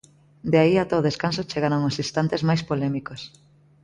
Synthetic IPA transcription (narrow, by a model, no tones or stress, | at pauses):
d̪eaiat̪oðeskansot͡ʃeɣaɾoŋosist̪ant̪ezmajspolɛmikos